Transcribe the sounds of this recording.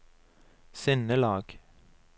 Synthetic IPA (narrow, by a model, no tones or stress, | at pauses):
sɛnəlɑːɡ̥